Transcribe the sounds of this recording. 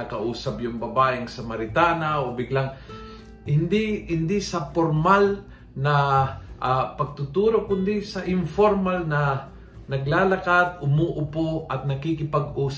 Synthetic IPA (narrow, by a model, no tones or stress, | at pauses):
ɐkɐʔuːsɐbjʊŋbɐbaːʔɪŋsɐmɐɾɪt̪aːnaʔobɪɡlaŋ | hɪnd̪ihɪnd̪isɐpoɾmal | nɐʔapɐɡ̚t̪ʊt̪uːɾokʊnd̪isɐʔɪnfoɾmalnɐ | nɐɡlaːlɐkat̪̚ʊmuʔʊpoʔɐt̪̚nɐkikɪpɐɡuːs